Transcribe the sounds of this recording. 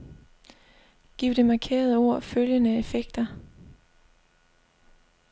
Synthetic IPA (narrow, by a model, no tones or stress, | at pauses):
ɡ̥iːʊd̥e̝mɑ̈kʰe̝̰ːɐð̞̩ˠəo̝ɐ̰føljənəefeɡ̥̚d̥ɐ